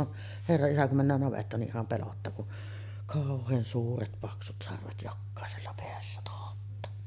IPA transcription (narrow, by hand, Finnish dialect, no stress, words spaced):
on herːɑ isæ kum mænːæːn nɑʋetːɑːn niʔ ʔihɑm pelotːɑː kun kɑˑohˑeːn suːret pɑksut sɑrʋet jokːɑˑeselːɑ peæsːæ tohotːɑː